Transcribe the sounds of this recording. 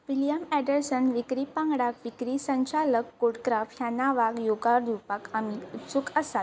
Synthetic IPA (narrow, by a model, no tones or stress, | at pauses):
ʋiljəmɛɖəɾsənʋikɾipãŋɡɽakʋikɾisə̃ɲt͡ɕaləkːoɽkɾafjanaʋakjoɡaɾd̪ʱupakamiut̪sukəsat̪